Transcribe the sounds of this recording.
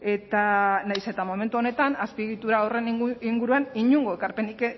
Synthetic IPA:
e̞t̪anajse̞t̪amome̞nt̪uo̞ne̞t̪anaspiɣit̪uɾaore̞niiŋɡuɾuaniɲuŋɡo̞ekaɾpe̞nike

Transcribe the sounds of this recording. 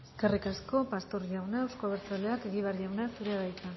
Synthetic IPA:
eske̞rikasko̞past̪o̞ɾʝawnaewsko̞aβeɾt͡saleakeɣiβ̞aɾʝawnasuɾeaβajt̪a

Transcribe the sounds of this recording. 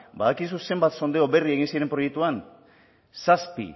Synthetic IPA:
baðakis̬use̞mbat̪so̞nd̪eo̞be̞rie̞ɣ̞insiɾe̞mpɾo̞jek̚t̪uan | saspḭ

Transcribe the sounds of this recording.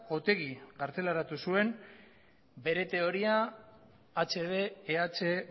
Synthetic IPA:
o̞t̪e̞ɣiɣaɾt͡se̞laɾat̪usue̞n | be̞ɾe̞t̪e̞o̞ɾiaː | t͡se̞βe̞ːat͡se

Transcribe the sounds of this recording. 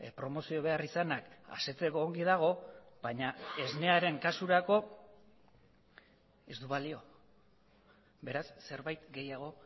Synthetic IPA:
pɾo̞mo̞sio̞β̞e̞arisanaka̰se̞t͡se̞ko̞ːŋɡiðaɣ̞o̞bajɲae̞zne̞aɾe̞ŋkasuɾako̞ | ezd̪uβalio̞ | be̞ɾasːe̞ɾβajt̪ɡe̞jaɣ̞o̞

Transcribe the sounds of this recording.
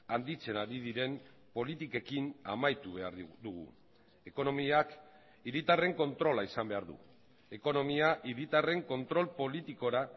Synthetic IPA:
and̪it͡se̞naɾiðiɾe̞m | po̞lit̪ike̞kinamajt̪uβe̞aɾd̪uɣṵ | e̞ko̞no̞miak | iɾit̪are̞ŋko̞nt̪ɾo̞laisambe̞aɾðṵ | e̞ko̞no̞miaʔiɾit̪are̞ŋko̞nt̪ɾo̞lpo̞lit̪iko̞ɾa

